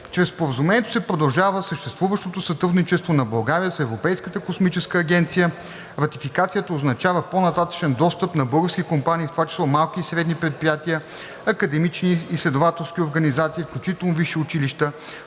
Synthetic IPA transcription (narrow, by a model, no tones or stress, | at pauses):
t͡ʃɾɛspoɾəzumɛnʲɛt̪o̥sɛpɾod̪ɐlˠʒavəsəʃt̪ɛst̪vuvəʃt̪ot̪osɐt̪ɾud̪nit͡ʃɛst̪vonɐbɐlˠɡaɾijəsɛvɾopɛjskət̪əkosmit͡ʃɛskəːɡʲɛnt̪sijə | ɾɐt̪ifikat̪sijət̪əoznɐt͡ʃavəponɐt̪at̪ə̥t͡ʃɛnd̪ɔst̪əpnɐbɤlˠɡəfskʲikompaniːft̪ovat͡ʃɛ̥slˠɔmalˠk̟iːsɾɛd̪nipɾɛt̪̚pɾijat̪iə | ɐkəd̪ɛmit͡ʃniːslɛd̪ovat̪ɛlˠsk̟ioɾɡənizat̪siːfklʲut͡ʃit̪ɛlˠnoviʃiʊt͡ʃiliʃt̪ə